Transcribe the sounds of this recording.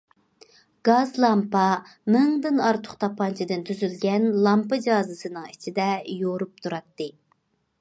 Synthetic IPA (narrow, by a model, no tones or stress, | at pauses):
ɡ̥ɑzlˠɑmpɑ | mɪŋd̪ɨnɑɾt̪ʰʊ̥χt̪ʰɑpʰːɑnt͡ʃʰid̪ɨnt̪ʰyzylɡʲɛnlˠɑmpɨd͡ʒɑːzɨsɨnɨŋit͡ʃʰid̪ɛjoɾup̚t̪ʰuɾɑt̪ːɨ